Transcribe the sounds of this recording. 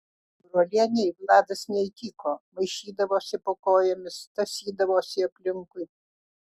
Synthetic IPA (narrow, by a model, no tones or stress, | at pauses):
bɾoːlʲeːnʲɛɪblˠɑːd̪ɐsnʲɛit̪ʲiːkoːmɐɪʃʲiːd̪ɐʋoːsʲɪpokoːjɛmʲɪst̪ɐsʲiːd̪ɐʋoːsʲɪɐpʲlʲɪŋkʊɪ